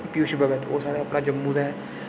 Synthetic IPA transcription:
pjuːʃbəɡət̪o̰ːsaːɽeːapnaːd͡ʒəmːuːd̪aɦɛː

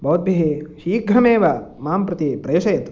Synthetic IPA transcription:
boːd̪̚bʱiɦiʃiːɡʱɾɐmeːʋɐmaːmpɾɐt̪ipɾeːʃɐjɐt̪u̥

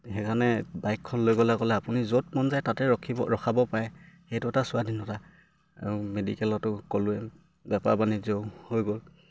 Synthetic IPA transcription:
hɛkʰanɛbajkʰːɔnːojɡolɛkɔlɛapunizot̚mɔnzajtatɛɔkʰiɔɹɔxʰabɔpaɹɛxejtʊɛtasʊadinɔta | a̰ɹumedḭkɛlɔtʊkolʊɛ | bɛpa̰ɹbanizoʊhojɡol

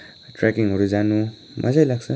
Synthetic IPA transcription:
ʈrakiŋɦʌɾud͡zanu | mʔʌ̰d͡zajlaɡsʰʌ

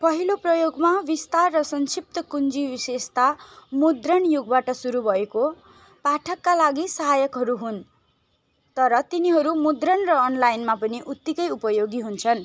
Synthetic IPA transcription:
pʌɦiloprʌjoɡmabist̪arːʌsʌnsip̚t̪ʌkund͡zibisest̪amud̪rʌnjuɡ̚baʈʌsuɾubʱʌeko | paʈʰʌkːalaɡisʌɦajʌkɦʌɾuɦun | t̪ʌɾʌt̪iniɦʌɾumud̪rʌnrʌːnlajnmapʌniʔut̪ːikʌjupʌjoɡiɦunt͡sʰʌn

